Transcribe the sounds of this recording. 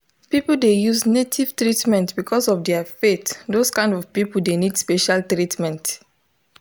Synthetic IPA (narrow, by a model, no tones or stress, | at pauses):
pipuldejuznetʰiv̥tɹitmɛ̃ntbikʰɔsɔvdɛafetdoskãɪ̃ndɔv̥pipul̩denidspeʃaltɹitmɛ̃nt